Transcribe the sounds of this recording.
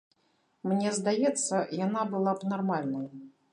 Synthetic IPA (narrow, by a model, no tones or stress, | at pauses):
mnʲɛzd̪ajɛt̪sːɐjanabɨlˠabnarmalʲnɐj